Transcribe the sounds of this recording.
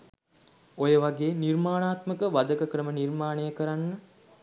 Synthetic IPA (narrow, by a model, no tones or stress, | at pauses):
ojəʋaɡeːnirmaːnaːt̪məkəʋad̪əkəkɾəmənirmaːnejəkəɾanːə